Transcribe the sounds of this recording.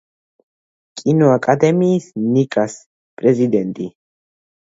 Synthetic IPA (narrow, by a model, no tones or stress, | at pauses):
kʼinoakʼad̪ɛmiːsnikʼas | pʼɾezid̪ɛnt̪ʼi